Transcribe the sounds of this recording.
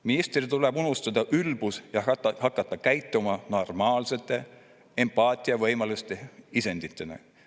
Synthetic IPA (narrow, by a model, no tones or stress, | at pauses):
minist̪rit̪ulebunust̪ɑd̪ɑʔylbusjɑhɑkːˑɑt̪ːˑɑkæjt̪ːˑumɑno̞rmɑːlse̞t̪ːˑe̞ | e̞mpɑːt̪ʲˑiɑvɤjmɑlust̪eise̞nd̪̥it̪ːˑenḛ